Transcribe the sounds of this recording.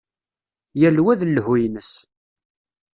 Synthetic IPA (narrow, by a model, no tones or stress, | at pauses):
jælwæðlːhujnəs